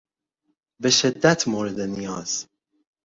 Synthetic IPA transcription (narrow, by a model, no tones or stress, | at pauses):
be̞ʃe̞d̪ːæt̪ʰmoːɾe̞d̪e̞nijɒːz̥